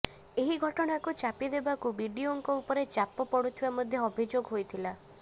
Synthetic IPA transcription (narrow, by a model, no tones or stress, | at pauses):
eɦiɡʱɔʈɔɽ̃akut͡ʃapid̪ebakubiɖioŋkɔupɔɾet͡ʃapɔpɔɽut̪ʰibamɔd̪ʱjɔɔbʱid͡ʒoɡɦojt̪ʰila